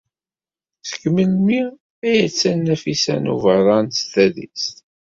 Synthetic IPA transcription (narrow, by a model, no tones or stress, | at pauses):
θə̥kːmilmi | æjət͡sːænːæfisæ̰nṵvəðˤɑnst̪æðḭs